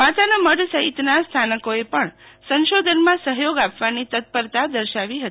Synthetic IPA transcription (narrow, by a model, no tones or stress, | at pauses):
mat̪anaməɖsəɦit̪nast̪ʰanəkoepəɳsə̃nʃod̪ʱənmãsəɦjoɡapʋanit̪ət̪̚pəɾt̪ad̪əɾʃaʋiɦət̪i